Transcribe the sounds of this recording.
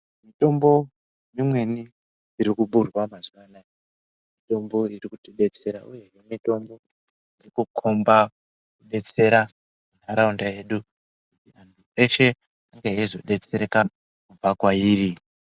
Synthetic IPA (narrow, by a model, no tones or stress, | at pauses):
mito̞mbo̞ | mimwe̞ni | iɾikuɓurwamazwana | mito̞mbo̞irikutiɗe̞t͡se̞ɾa̰ʔuje̞ɦemito̞mbo̞ | irikukʰo̞mba | kuɗe̞t͡se̞ɾa | munaɾaundaje̞ɗu | kutiantʰue̞ʃe̞ | aŋɡeɦezo̞ɗe̞t͡se̞ɾeka | kub͡vakwaiːri